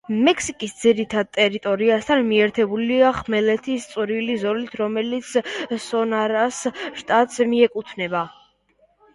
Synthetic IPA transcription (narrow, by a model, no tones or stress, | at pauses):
mɛkʰsikʼisd̪ziɾit̪ʰad̪̚t̪ʼɛɾit̪ʼɔɾiast̪ʰanmiɛɾt̪ʰɛbuliaχmɛlɛt̪ʰist̪sʼuɾilizɔlit̪ʰɾɔmɛlit̪sʰsɔnaɾasʃt̪ʼat̪ʼsmiɛkʼut̪ʰnɛba